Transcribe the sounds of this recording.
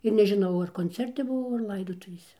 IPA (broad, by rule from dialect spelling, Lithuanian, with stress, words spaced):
ɪr nʲɛʒʲɪˈnɐʊ ɐr koːnʲˈt͡sʲɛrʲtʲɪ bʊˈʋɐʊ ɐr ˈlˠɐɪdoːtʊʋʲeːsʲɛ